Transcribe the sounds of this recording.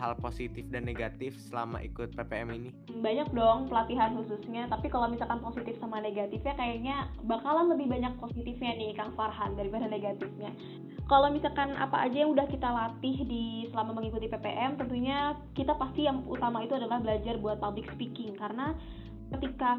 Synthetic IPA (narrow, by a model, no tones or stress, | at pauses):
ɦa̰lposit̪ɪfdanːeɡat̪ɪfsəla̰ma̰ḭkʊt̪̚pepeɛ̰mini | mbaɲak̚dɔŋpəlat̪iɦanhususɲat̪apikalomisalkanposit̪ɪfsamaneɡat̪ɪfɲakajaɲabakalanləbɪhbaɲak̚posit̪ɪfɲanɪhkaŋfarɦandaɾibadaneɡat̪ɪfɲa | kalomisakanʔa̰paa̰d͡ʒajaŋudahkit̪alat̪ɪɦdisəlamaməŋikut̪ipepḛʔɛmt̪ənt̪uɲa | kit̪apast̪ijaŋut̪amait̪uadalahbəlad͡ʒarbuat̪̚pablɪksə̥pikɪŋkaɾəna | kət̪ika